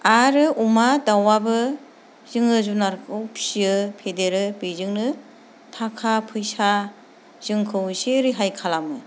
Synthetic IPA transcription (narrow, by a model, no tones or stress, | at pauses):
aɾɯumadawabɯ | zɯŋɯzunaɾkʰɯpsiɯpʰedeɾɯbizɯŋnɯ | tʰakʰapʰɯjsa | z̥ɯŋkʰɯwsiɾɯɦajkʰalamɯ